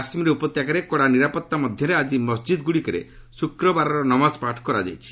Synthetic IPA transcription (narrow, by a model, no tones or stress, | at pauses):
asimiɾeupɔt̪jakaɾekɔɽaniɾapɔt̪ːamɔd̪ʱjɔɾead͡ʒimɔsd͡ʒid̪ɡuɽikɔɾḛ | sukɾɔbaɾɔɾɔnɔmaspaʈʰkɔɾa̰d͡ʒa̰jt͡ʃʰi̥